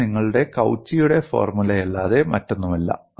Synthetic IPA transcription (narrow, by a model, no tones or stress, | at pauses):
iŋːɐɭuɽe̞kɐwt͡ɕːijuɽe̞fo̞̰ːrmulɐjelːaːðemɐtːo̞nːumɐlːɐ̰